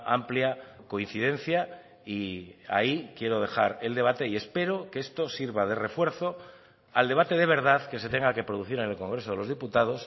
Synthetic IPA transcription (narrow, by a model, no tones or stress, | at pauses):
ampljako̞in̟θið̞ẽ̞n̟θja | ia̰ikje̞ɾo̞ðe̞xaɾe̞ld̪e̞βat̪e̞ie̞spe̞ɾokeest̪osiɾβað̞e̞re̞fwe̞ɾθo̞ | ald̪e̞βat̪e̞ðe̞βe̞ɾð̞aðke̞s̬e̞t̪e̞ŋɡake̞pɾo̞ð̞uθiɾenelkõ̞ŋɡɾe̞so̞ð̞e̞lo̞zðiput̪aðo̞s